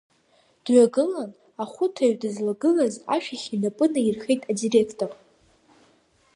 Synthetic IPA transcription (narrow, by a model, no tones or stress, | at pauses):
d̥ɥʷaɡɨlan | aχʷʊtʰaɥdɨzlaɡɨlaza̰ʃᶣaχʲinapʼɨnairχejtʼadire̞kʰtʼor